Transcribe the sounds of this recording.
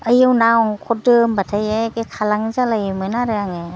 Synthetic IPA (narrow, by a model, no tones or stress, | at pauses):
əjɯwnawŋkʰɔdɯmbatʰajekekʰalaŋzalajmɯnaɾɯɾaŋe